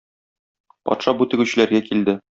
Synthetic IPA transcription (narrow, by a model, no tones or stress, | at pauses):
pɒ̰t̪ʃɑbut̪ɘ̆ɡʉɕɘ̆læɾɡækild̪ɘ